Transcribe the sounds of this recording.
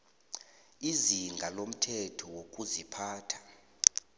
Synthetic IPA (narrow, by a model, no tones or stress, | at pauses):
iziŋɡʱalom̩tʰɛtʰɔwokʼuzipʰaːtʰḁ